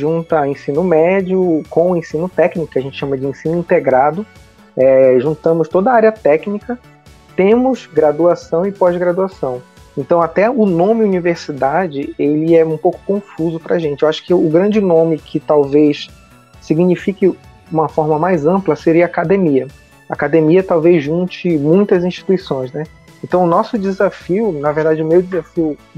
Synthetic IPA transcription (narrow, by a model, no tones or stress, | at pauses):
ʒũnt̪ɐẽsĩnʊmɛd͡ʒʊkõw̃ʊẽsĩnʊt̪ɛknikʊ̥kɪaʒẽnt͡ʃɪ̥ʃɐ̃mɐd͡ʒɪẽsĩnʊĩnt̪eɡɾad̪ʊ | ɛʒũnt̪ɐ̃mʊst̪od̪ɐaɾiɐt̪ɛknikɐ | t̪ẽmʊzɡɾad̪uasɐ̃w̃ɪpɔzɡɾad̪uasɐ̃w̃ | ẽnt̪ɐ̃w̃at̪ɛʊnõmɪuniveɾsid̪ad͡ʒɪelɪɛũpowkʊ̥kõfuzʊpɾɐʒẽnt͡ʃɪewaʃʊ̥kɪʊɡɾɐ̃d͡ʒɪnõmɪkʰɪt̪awvejsː | iɡnifikɪ | ũmɐfɔɾmɐmajzɐ̃mplɐseɾiɐaːkad̪emiɐ | a̰ːkad̪emiɐt̪awvejzʒũt͡ʃɪmũj̃t̪ɐzĩʃt͡ʃi̥t̪uisõj̃znɛ | ẽnt̪ɐ̃w̃ʊnɔsʊd͡ʒɪzafiʊnɐveɾd̪ad͡ʒɪʊmewd͡ʒɪzafiʊ